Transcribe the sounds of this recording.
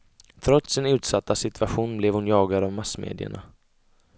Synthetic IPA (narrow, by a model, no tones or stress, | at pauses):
t̪ʰɾɔt̪sɪnʉ̟ːt̪sat̪ːasɪt̪vaɧuːnblɛvhʊnjɑːɡad̪avmasːmḛːd̪ɪə̰ɳa̰